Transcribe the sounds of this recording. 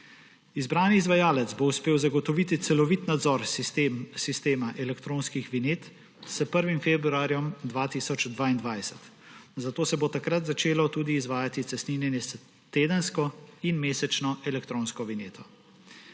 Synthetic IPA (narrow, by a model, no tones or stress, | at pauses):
izbɾaːniːzʋajaːlɛt̪zbouspeːwzaɡɔt̪ɔʋiːt̪it̪sɛlɔʋit̪nad̪zɔɾ | sist̪eːmaʔɛlɛkt̪ɾoːnskixʋineːt̪ | səpəɾʋimfeːbɾuaːɾjɔmd̪ʋaːt̪isɔt͡ʃd̪ʋaːind̪ʋajsɛ̥t̪ | zat̪oːsɛbot̪akɾat̪zat͡ʃeːlɔt̪uːd̪iːzʋaːjat̪it̪sɛsniːnjɛnjɛs | t̪eːd̪ənskɔinmeːsɛt͡ʃnɔʔɛlɛkt̪ɾoːnskɔʋineːt̪ʰɔ